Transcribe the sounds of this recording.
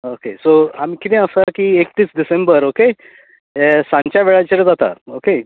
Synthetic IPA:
okesoamiːkit̪ɛ̃əsakiːekt̪iːsɖisẽmbəɾoke | sãɲt͡ɕjaʋeɭat͡ɕeɾd͡zat̪a̰oke

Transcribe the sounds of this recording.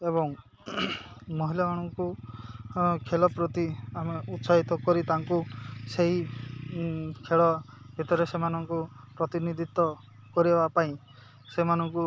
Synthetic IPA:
eβɔŋ | mɔɦilamaɽ̃ɔŋku | kʰelɔpɾot̪iameut̪saɦit̪ɔkɔɾit̪aŋkuseɦi | kʰeɭɔ | bʱit̪ɔɾesemanɔŋku | pɾɔt̪inid̪ʱit̪ɔ | kɔɾiebapaĩ | semanɔŋku

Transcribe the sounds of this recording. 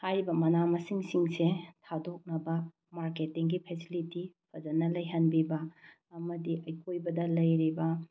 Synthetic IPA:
hajɾibɐmɐnamɐsiŋsiŋsetʰadok̚nɐbɐ | maɾketːiŋɡipʰesilitipʰɐzɐnɐlɐjɦɐnbibɐː | mɐdiʔɐjkʰojbɐdɐlɐjɾibɐ

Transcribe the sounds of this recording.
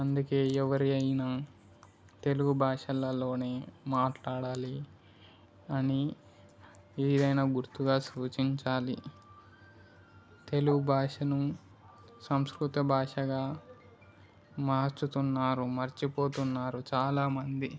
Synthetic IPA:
ɐnd̪uke̞ːɛʋɐɾiɐjna | t̪e̞luɡubʱaːʂɐlɐlo̞ːne̞ːmaːʈlaːɽaːli | ɐni | iːd̪ɐjnaɡuɾt̪uɡaːsuːt͡ʃiɲt͡ʃaːlḭ | t̪e̞luɡubʱaːʂɐnu | sɐmskɾut̪ɐbʱaːʂɐɡaː | maːɾt͡ʃut̪unːaːɾumɐɾt͡ʃipo̞ːt̪unːaːɾut͡ʃaːlaːmɐnd̪i

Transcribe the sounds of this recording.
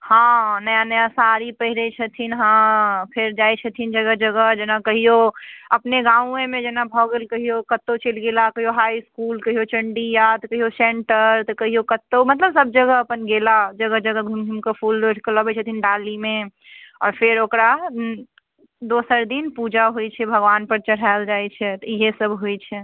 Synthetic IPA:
hãːnɐjanəjasaːɾipəɦɪɾet͡ʃʰət̪ʰinɦãpʰɪɾd͡ʒaːet͡ʃʰət̪ʰind͡ʒɐɡəɦd͡ʒɐɡəɦd͡ʒɐnakɐɦioɐpneɡãːũẽmẽd͡ʒɐnabʱɔːɡəlkɐɦijokɐt̪ːot͡ʃeːlɡeːlakɐɦioɦaːiskuːlkɐɦijot͡ʃɐɳɖijat̪kɐɦiosẽːɳʈəɾt̪ɔkəɦijokət̪ːomət̪ləbsəb̚d͡ʒəɡəɦəpənɡelad͡ʒəɡəd͡ʒəɡəɡʱumɡʱimkepʰuːlɾoʈʰkələbɛt͡ʃʰət̪ʰinɖalimẽ | ɔ̰ːɾpʰeɾokɾa | d̪oːsəɾd̪inpud͡ʒaɦojt͡ʃʰɛbʱəɡʋaːnpəɾt͡ʃəɽ̤aeld͡ʒaːjt͡ʃʰɛt̪ɔiɦesəbʱɦojt͡ʃʰɛ

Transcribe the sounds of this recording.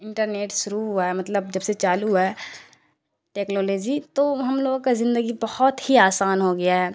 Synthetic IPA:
ɪ̃ɳʈəɾneːʈʃʊɾuuɛmɐt̪ləbd͡ʒɐbset͡ʃaːluɦɛː | ʈeːknoːloːd͡ʒit̪oɦɐmloːɡõkazɪ̃nd̪əɡibɐhɔt̪hiaːsaːnɦoɡɐjaɦɛː

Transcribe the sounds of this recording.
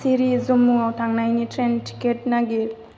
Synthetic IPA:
siɾizɔmːuawtʰaŋnajnitʰɾentʰi̥ket̚naɡiɾ

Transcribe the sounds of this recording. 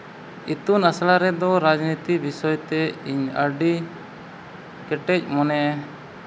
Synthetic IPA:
it̪unaslaɾɛd̪ɔɾad͡ʒnit̪ibisɔjt̪ɛiɲəɾɖi | kɛʈɛc̚ˀmɔnɛ

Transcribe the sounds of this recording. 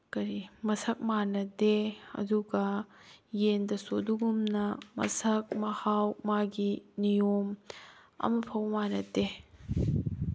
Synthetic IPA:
kɐɾimɐsɐk̚manɐdeɐ̰duɡɐjendɐsoduɡumnɐmɐ̰sɐk̚mɐhawmaɡinijom | ɐ̰mɐpʰɐwmanɐtːe

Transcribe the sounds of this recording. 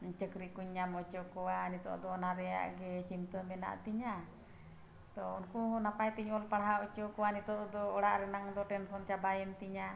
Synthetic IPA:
t͡ʃəkɾikuɲːamɔt͡ʃɔkɔwanit̪ɔ̰ʔd̪ɔnaɾɛja̰ʔɡɛt͡ʃimt̪əmɛna̰ʔt̪iɲa | t̪ɔunkuɦɔ̃napajt̪iɲɔlpaɽɦaɔt͡ʃɔkɔwanit̪ɔʔd̪ɔːɽaʔɾɛnaŋd̪ɔʈɛnsɔnt͡ʃabajənt̪iɲa

